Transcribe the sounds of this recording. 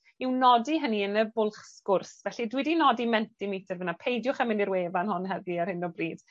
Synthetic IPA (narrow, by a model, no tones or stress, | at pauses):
iwnɔdiɦəniənəbʊlˠχskʊrsvɛɬidwidinɔdimɛntimitʰərvənapʰejdjʊχəmɪniɾweːvanhʊnɦɛviarhɪnɔbriːd̥